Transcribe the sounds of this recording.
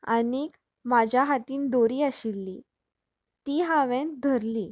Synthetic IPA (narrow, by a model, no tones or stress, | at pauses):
ə̰niːk | mad͡ʑʱjaɦat̪iːnd̪oɾiːaɕilːiː | t̪iːɦaʋẽnd̪ʱəɾliː